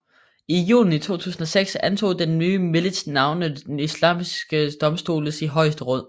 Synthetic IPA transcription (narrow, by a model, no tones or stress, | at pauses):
ijṵːln̩it͡sʰo̝̰ːt͡sʰṵːsn̩ɒ̽seɡ̥sænt͡sʰo̝̰ːd̥enːyːmelə̥snɑ̈ʊnə̥enislɑ̰̈ːmisɡ̥əd̥ɒ̽msd̥o̝̰ːləsiɦɒ̽ɪsd̥əʁɔ̽ð̰ˠ